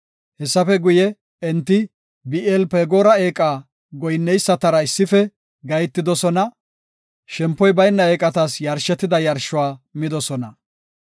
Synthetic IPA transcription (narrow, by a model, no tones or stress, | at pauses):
hɛsːɐfɛɡʊjɛ | ɛnt̪ːɪ | bɪʔɛlpeːɡoːɾɐeːkʼaː | ɡɔjnːɛjsːɐt̪ɐɾɐɪsːɪfɛ | ɡɐjt̪ːɪd̪ɔsɔnɐ | ʃɛmpːɔjbɐjnːɐeːkʼɐt̪ɐsjɐɾʃɛt̪ːɪd̪ɐjɐɾʃʊwaːmɪd̪ɔsɔnɐ